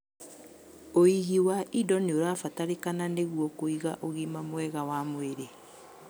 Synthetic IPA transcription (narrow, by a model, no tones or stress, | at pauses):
oiɣiwaʔidɔneoɾaːfataɾekananeɣwɔkoiɣaʔoɣimamwɛɣawamweɾe